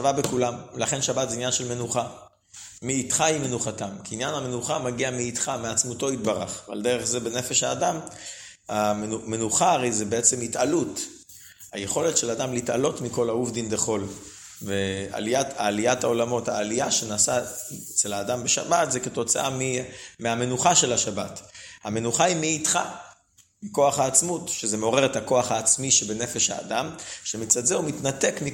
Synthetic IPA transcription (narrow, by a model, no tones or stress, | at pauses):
avabekulamlaχe̞nʃabatzeinjanʃelme̞nuχa | miːtχahime̞nuχatamkiːnjaname̞nuχamaɡiamiːt̪χameat͡smuto̞itbaʁaχva̰ld̪eʁeχzebene̞fe̞ʃaːdam | anume̞nuχaːʁejzebeet͡se̞mhitalut | ha̰je̞χo̞letʃe̞lad̪amlita̰lo̞tmiko̞lauvd̪ind̪eχo̞l | vea̰liataːliatao̞lamo̞thaːlijaʃenaːsaet͡selaːdambeʃa̰bat̪zeketo̞t͡saʔamimeame̞nuχaʃe̞laʃabathame̞nuχaimeitχa̰ | miko̞aχaːt͡smutʃezemeo̞ʁe̞ʁethako̞aχaːt͡smiʃebene̞fe̞ʃha̰ːdamʃemit͡sadzeumitnate̞kmi